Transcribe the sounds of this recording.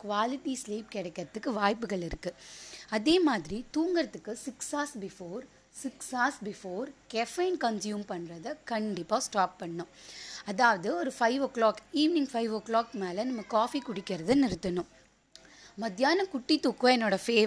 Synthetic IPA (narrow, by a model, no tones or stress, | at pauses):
kʊʋaːlɪʈːisleːp̚kɛɽɛkːɐɾɐt̪ːɯkːɯʋaːjpːɯɣɐɭɪɾɯkːɯɐðeːmaːðɪɾit̪uːŋɡɪɾɐt̪ːɯkːɯsɪksaːsbɪfoːɾ | sɪksaːsbɪfoːɾkɛfɐɪnkɐnsjuːmpɐɳːɾɐðɐkɐɳɖɪpːaːsʈaːp̚ːɐɳːʊ̃ɐðaːʋɐðɯɔɾɯfɐɪʋɔkɭaːkiːʋnɪ̃ŋɡfɐɪʋokɭaːkmeːlɐnɐmːɐkaːfikʊɽɪkːɪɾɐðɯnɪɾɯt̪ːɐnʊ̃ | mɐðɪjaːnɐkʊʈːit̪ːʊkːɐɛnːoːɽɐfeː